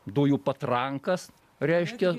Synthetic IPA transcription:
d̪uːjuːpɐt̪ɾɐŋkɐs | ɾʲɛɪʃʲkʲɛ

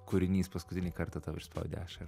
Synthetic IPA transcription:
kʊɾʲɪnʲiːspɐskʊt̪ʲɪnʲiːkɐɾt̪ɐt̪ɐʊɪʃspɐ̰ʊd̪ʲḛɑʃɐ

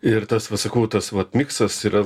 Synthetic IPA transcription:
ɪɾt̪ɐsʋɐt̪sɐkɐʊt̪ɐsʋɐt̪mʲɪkst̪ɐsiːɾɐ

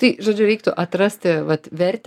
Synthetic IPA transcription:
t̪ɐɪʒoːd͡ʒʲʊɾʲɛɪkt̪ʊʔɐt̪ɾɐsʲt̪ʲɪʋɐt̪ʋʲɛɾʲt̪ʲ

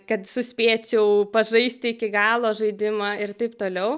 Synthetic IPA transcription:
kɐt̪sʊsʲpʲeːt͡ʃʲɛʊpɐʒɐɪsʲt̪ʲɪɪkʲɪɡɑːlˠoːʒɐɪd̪ʲɪmɑaːɪrt̪ɐɪpt̪oːlʲɛʊ

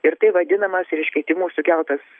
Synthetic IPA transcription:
ɪɾt̪ɐɪʋɐd̪ʲɪnɐmɐsɪɾɪʃʲkʲɛɪt̪ʲɪmuːsʊkʲɛlˠt̪ɐs

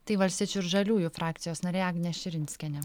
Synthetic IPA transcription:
t̪ɐɪʋɐlʲst̪ʲiɛt͡ʃʲʊɪɾʒɐlʲuːjufɾɑːk̚t̪sʲɪjoːsnɐɾʲeːɑːɡnʲɛʃʲɪɾʲɪnʲsʲkʲɛnʲɛ

